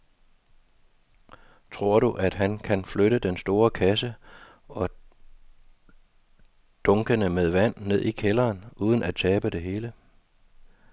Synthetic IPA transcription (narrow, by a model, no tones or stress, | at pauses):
t͡sʰʁo̝ɐ̰ɾuʔæd̥ɦænkʰænfløɾəd̥ensd̥o̝ːɐkʰæsə | ɒ̽ | d̥ɔ̽ŋɡ̥ənəmeðˠʋæn̰ːe̝ð̞̰ˠikʰelɐːnʔuːð̞ˠən̩æt͡sʰɛːb̥əd̥e̝ɦe̝ːlə